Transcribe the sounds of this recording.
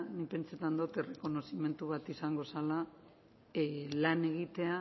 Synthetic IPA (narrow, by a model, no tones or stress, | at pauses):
nipe̞nt͡set̪and̪ot̪e̞re̞ko̞no̞sime̞nt̪uβ̞at̪isaŋɡo̞sala | lane̞ɣ̞it̪e̞a